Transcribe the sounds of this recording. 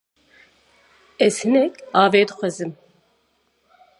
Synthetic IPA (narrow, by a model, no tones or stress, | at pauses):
ɛz̥hɨnɛkɑːveːd̪ɨxʷɛzɨm